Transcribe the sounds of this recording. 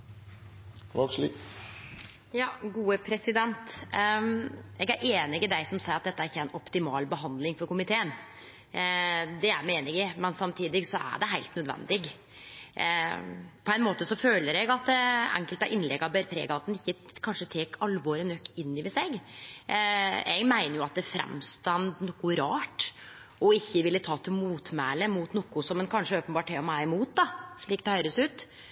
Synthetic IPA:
ʋɑɡʂlḭː | jɑːɡuːəpʰɾɛsɪd̪ɛnt̪ | ɛɡæɾʔeːnɪɡɪd̪æɪsɔmsæɪɾɑt̪̚d̪ɛt̪ːəæɾɪçːəæɪnʔɔpt̪ɪmɑːlbəɦɑnd̪lɪŋfɔɾkʊmɪt̪ʰeːən | d̪ɛæ̰ɪmeːnɪŋɪmɛnsɑmt̪ʰiːd̪ɪɡsɔʔæ̰ɖɛɦæɪlt̪nœd̪ʋɛ̰nd̪ɪɡ | pʰɔæɪnmoːt̪əsɔføːləɾɛɡɑt̪æ̰ŋkəlt̪ɑʔɪnlɛɡɑbɛɾpʰɾḛːɡɑɑt̪̚d̪ɛnɪçːəkʰɑnʂət̪ʰeːkʰɑlʋoːɾənœkʰːɪnːɪʋɪseɡ | ɛ̰ɡmæɪnəɾjʊɑt̪̚d̪ɛæːfɾɛ̰mst̪ɑnd̪nɔkːʊɾɑːʈ | ʔɔɪçːəʋɪlːət̪ʰɑːt̪ʰɪlmuːt̪mæːləmuːt̪nɔkːʊsɔmɛnkʰɑnʂəoːpənbɑːʈʰːɛɔmæɾɪmuːt̪̚d̪ɑʂɭiːk̚d̪ɛhœʏɾəsʉːt̪

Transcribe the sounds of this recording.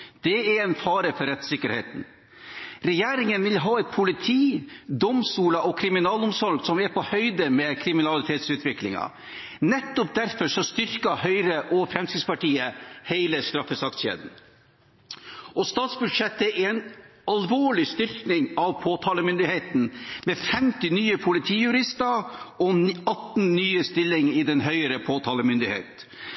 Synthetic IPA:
d̪̥ɛɛɾɛnfɑːɾəfɔɾɛt̪sɪkːəɾhḛːt̪n̩ | ɾɛjeːɾɪŋənʋɪlɦɑːɛt̪̚pʰʊlɪt̪ʰiːd̪ɔmst̪uːləʔɔkʰɾɪmɪnɑːlʊmsɔɾɡsɔmɛɾpʰɔhœʏd̪əmɛːkʰɾɪmɪnɑlɪt̪ʰeːt̪sʉːt̪ʰʋɪklɪ̰ŋɑ̰ | nɛt̪ːʊp̚d̪æɾfɔʂɔst̪ʏɾkɑhœʏɾəʔɔfɾɛmskɾɪd̪spɑʈiːəheɪləst̪ɾɑfːəsɑkt̪ʃḛːd̪n̩ | ʔɔst̪ɑːt̪sbʉd̪ʂɛt̪ːəɛnɑlʋoːɭɪst̪ʏɾknɪŋɑʋpʰoːt̪ʰɑːləmʏnd̪ɪheːt̪nmɛfɛmt̪ɪnyːəpʰʊlɪt̪ʰiːjʉɾɪst̪ɑɾɔɑt̪nnyːəst̪ɪlːɪŋɪd̪ɛnɦœʏəɾəpʰoːt̪ʰɑːləmʏnd̪ɪhḛːt̪

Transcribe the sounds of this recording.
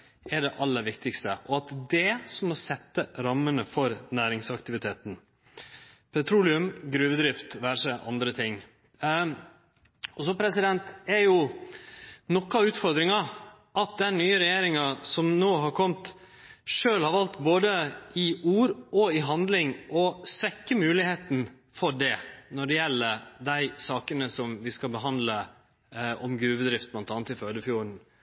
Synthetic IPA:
ɛɖɛʔɑlːəɾʋɪk̚t̪ɪkst̪ə̰ʔɔɑt̪d̪ɛsɔmːɔsɛt̪ːəɾɑmːənəfɔɾnæːɾɪŋsɑkt̪ɪʋɪt̪ʰeːt̪n̩ | pʰɛt̪ʰɾuːlɪʉmɡɾʉːʋd̪ɾɪft̪ʋæːɾʂəʔɑ̰nd̪ɾət̪ʰɪŋː | ɔsɔpʰɾɛsɪd̪ɛnt̪ɛɾjʊ | nɔkːɑʉːt̪fɔɾd̪ɾɪŋɑ | ʔɑt̪̚d̪ɛnnyːəɾɛjeːɾɪŋɑsɔmnoːɦɑɾkʰɔmt̪ | ʂøːlhɑɾʋɑlt̪boːd̪əɪuːɾɔɪɦɑnd̪lɪŋʔɔsʋɛkːəmʉːlɪheːt̪n̩ | fɔɖɛnɔɖɛjɛlːəd̪æɪsɑːkənəsɔmʋɪskɑbəɦɑnd̪lə | ʔɔmɡɾʉːʋəd̪ɾɪft̪̚blɑnt̪ɑnət̪ɪføːd̪əfjuːɾɳ̩

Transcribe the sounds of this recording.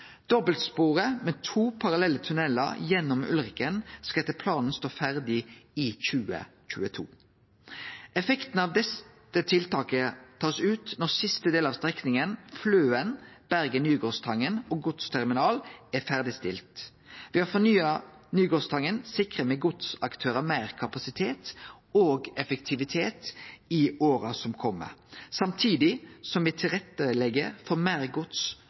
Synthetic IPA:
d̪̥ɔbəlt̪spuːʁəmɛt̪ʰuːpʰɑʁɑlɛlːət̪ʰʉnɛlːə̰ɾjɛnːɔmʉ̰lʁɪkənskɑɛt̪ːəpʰlɑːnn̩st̪oːfæʁd̪ɪɪçʉːə̰c͡çʉ̰ːət̪ʰṵː | ʔɛfɛkt̪n̩ɑːʋd̪ɛs | ət̪ʰɪlt̪ɑːkət̪ʰɑːsʉːt̪nɔʁsɪst̪əd̪eːlɑːʋst̪ʁɛknɪŋənfløːənb̥æʁɡənyːɡoːst̪ʰɑŋːənoɡʊt̪st̪ʰæʁmɪnɑːlæfæʁd̪ɪst̪ɪ̰lt̪ | ʋɪhɑfɔnyːɑnyːɡoːst̪ʰɑŋːənsɪkʁəmɛɡʊt̪sɑkt̪ʰøːɾəmæɪʁkʰɑpɑsɪt̪ʰeːt̪ | oːɡɛfəkt̪ʰɪʋɪt̪ʰeːt̪ɪoːɾɑsɔmkʰɔmːə̰sɑmt̪ʰiːd̪ɪsɔmʋɪt̪ʰɪlʁɛt̪ːəlɛɡəfɔʁmæɪʁɡʊt̪s

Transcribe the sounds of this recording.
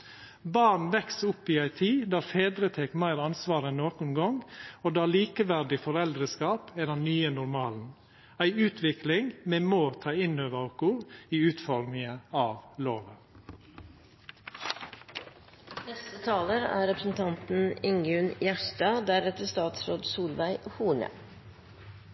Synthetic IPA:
bɑɳ̩ʋɛksʊpːɪæɪt̪ʰiːd̪æːɾfeːd̪ɾət̪ʰɛkmæɪɾɑnsʋɑːɾəɛnnoːkʊnɡɔŋoːd̪ɑːliːkəʋæɾɖɪfɔɾɛld̪ɾəskɑːpæd̪ɛnnyːənʊɾmɑːln̩ | æɪʉːt̪ʰʋɪklɪŋmɛːmoːt̪ʰɑːɪnøːʋɑʊkʊɾiːʉːt̪fɔɾmɪŋəɑːʋloːʋə | nɛst̪ət̪ʰɑːləɾæ̰ːɾɛpɾəsn̩t̪ʰɑnt̪n̩ɪŋʉnjæʂtɑːd̪æɾɛt̪əst̪ɑːt̪sɾoːd̪suːlʋæɪhuːɳə̰

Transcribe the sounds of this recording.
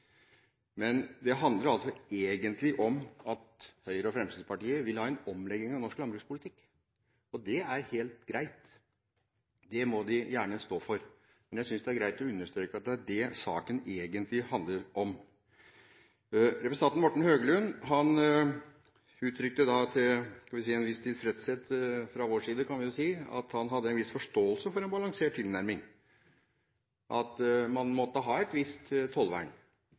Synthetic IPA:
mɛnd̪ɛɦɑnd̪ləɾɑlsɔeːɡənt̪ʰlɪʔɔmɑt̪hœʏəɾəɔfɾɛmsiːd̪pɑʈiːəʋɪlhɑːɛnɔmlɛɡːɪŋɑʋnɔʂklɑmbɾʉːspʊlɪt̪ʰɪkː | ɔd̪ɛæɾheːlt̪ɡɾæɪt̪ | d̪ɛmɔd̪ɪjæːɳəst̪oːfɔɾ | mɛnjæɪsʏnsd̪ɛæɾɡɾæɪt̪ɔʉnːəʂt̪ɾøːkəɑt̪̚d̪ɛæɖɛsɑ̰ːkəneːɡənt̪lɪhɑnd̪ləɾʔɔm | ɾɛpɾəsəɑnnmɔʈːɳ̩høːɡəlʉnɦɑn | ʉːt̪ʰːɾʏkt̪əd̪ɑt̪ʰɪlskɑnʋɪs̬iːɛnʋɪst̪ʰiːd̪fɾɛt̪sɛt̪ːfɾɑʋoːʂiːd̪əkʰɑnʋɪjʊsiːɑ̰t̪hɑnɦɑd̪ːəɛnʋɪsfɔʂʈoːəlsəfɔɾɛnbɑlɑŋseːʈ̚t̪ːʰɪlnæɾmɪŋ | ʔɑt̪mɑnmɔt̪ːəɦɑːɛt̪ʋɪst̪t̪ʰːɔlʋæ̰ːɳ

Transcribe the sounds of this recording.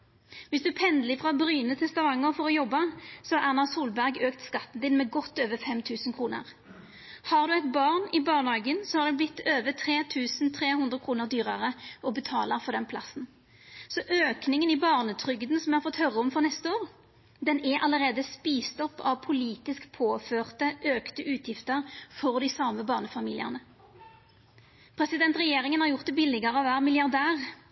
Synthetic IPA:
ʋɪsd̪ʉæpʰɛnd̪lɪfʁɑbɾyːnət̪ʰɛst̪ɑʋɑŋːəʁfɔʁɔjɔbːɑsɔhɑæʁnɑsuːlbæʁɡøːkt̪skɑt̪ːn̩d̪ɪnmɛɡɔt̪ːøːʋəfɛmt̪ʰʉːsənkʰʁuːnə̰ʁ | hɑʁd̪ʉɛɪt̪bɑːʁnɪbɑːʁnɑːɡənsɔhɑʁd̪ʉblɪt̪ːøːʋət̪ʰʁeːt̪ʰʉːsn̩t̪ʰʁeːhʉnd̪ʁəkʰʁuːnəʁd̪yːʁəʁəɔbət̪ʰɑ̰ːləʁfɔʁd̪ɛnpʰlɑsn̩ | sɔʔøːknɪŋənibɑːʁnət̪ʰʁʏɡd̪n̩sɔmʋɛhɑʁfɔt̪ːhœʁːəɔmfɔʁnɛst̪əoːʁ | d̪ɛnɛʔɑləʁeːd̪əspiːst̪ɔpːɑʋpʰʊliːt̪ɪskpʰoːføːʁt̪əʔøːkt̪əʔʉːt̪ʰjɪft̪əʁfɔʁd̪ɪsɑməbɑːʁnəfɑmiːlɪə̰ʁnə | pʰʁɛsɪd̪ɛnt̪ʁɛjeːʁɪŋənhɑʁjʊʁt̪̚d̪ɛbɪlɪɡəʁəɑʋæːʁmɪljɑʁd̪æːʁ

